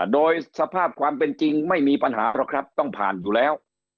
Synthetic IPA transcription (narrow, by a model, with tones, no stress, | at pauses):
doː˧jsa˧pʰaː˥˩p̚kʰwaː˧mpe˧nt͡ɕi˧ŋma˥˩jmiː˧pa˧nɦa̰ː˩˦pʰɾa˦˥˩kʰɾa˦˥p̚t̪ɔ˥˩ŋpʰa̰ː˨˩njuː˨˩lɛː˦˥w